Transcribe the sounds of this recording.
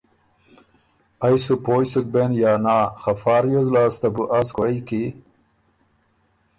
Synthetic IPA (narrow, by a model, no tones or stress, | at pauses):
ajsupoːjsuk̚benjɑːnaːxafɑːɾjozlɑːst̪abuʔaskoiki